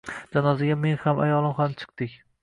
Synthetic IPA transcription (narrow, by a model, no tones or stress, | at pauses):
d͡ʒanɒzɪɡʲame̞ŋhama̰jɒlˠɪmχamt͡ʃʰɨ̥q̚t̪ɪkʲ